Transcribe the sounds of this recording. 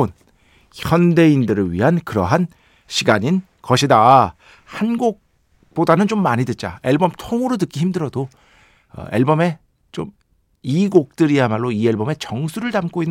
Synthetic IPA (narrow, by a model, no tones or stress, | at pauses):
on | çʰʌnde̞indɯɾɯɭɥḭɦankɯɾʌ̰ɦan | ɕʰiɡaɲin | kʌɕʰida | hanɡok̚ | p͈odanɯnt͡ɕomːaɲidet̚t͡ɕ͈a̰e̞ɭbʌmtʰoŋɯɾotɯk͈içimdɯɾʌdo | ʌ̰ḛɭbʌme̞ | t͡ɕom | iɡok̚t͈ɯɾiamaɭːoie̞ɭbʌme̞t͡ɕʌŋsʰuɾɯɭtamk͈oinː